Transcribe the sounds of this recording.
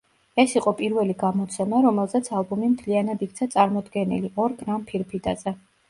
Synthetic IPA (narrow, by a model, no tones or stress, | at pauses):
ɛsiqʼɔpʼiɾvɛliɡamɔt̪sʰɛmaɾɔmɛlˠzɛt̪sʰalˠbumimt̪ʰlianad̪ik̚t̪sʰat̪sʼaɾmɔd̪ɡɛnḭliʔɔɾɡʼɾampʰiɾpʰit̪ʼa̰zɛ